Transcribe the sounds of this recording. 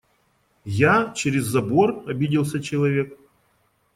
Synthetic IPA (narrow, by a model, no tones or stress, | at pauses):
jat͡ɕɪɾʲɪzːɐbo̞rɐbʲidʲɪlˠsʲɐt͡ɕɪlˠɐvʲe̞k̚